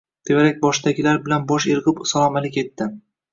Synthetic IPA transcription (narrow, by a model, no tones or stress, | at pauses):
d̪̥ʰevaɾak̚ʲbɒʃd̪aɡʲɪlaɾbɪlanbɒʃeɾʁɪpsalˠɒmalɪkʲe̞t̪ːɪ